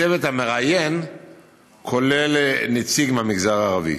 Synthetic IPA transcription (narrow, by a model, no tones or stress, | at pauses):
evethameʁajen | kʰo̞le̞lnet͡siɡmeamiɡzaʁaːʁavḭ